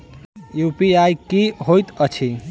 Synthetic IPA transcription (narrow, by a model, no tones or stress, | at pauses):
jupiajkiɦojt̪ət͡ʃʰi